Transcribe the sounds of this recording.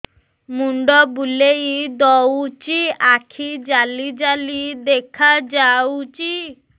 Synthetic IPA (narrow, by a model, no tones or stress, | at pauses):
muɳɖɔbuleid̪ɔwt͡ʃiakʰid͡ʒalid͡ʒalid̪ekʰad͡ʒawt͡ʃi